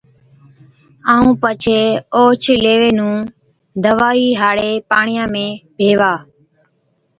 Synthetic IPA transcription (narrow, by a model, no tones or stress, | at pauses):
aːũːpət͡ʃʰeːoːt͡ʃʰleːʋeːnũː | d̪əʋaːiːɦaːɽeːpaːɳɪjãːmẽːbʱeːʋaː